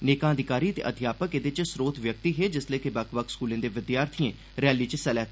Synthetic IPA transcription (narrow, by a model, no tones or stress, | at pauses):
neːkãːəd̪ɪkaːɾiːət̪ḛːʔəd̪ʱjaːpəkeːd̪ɪt͡ʃsɾoːt̪ʰʋjək̚t̪iːɦeːd͡ʒɪsleiːkɪbəkʰbəkskuːlẽːd̪eːʋɪd̪jaːɾt̪ʰɪẽː | ɾɛːliːt͡ʃsɛlɛː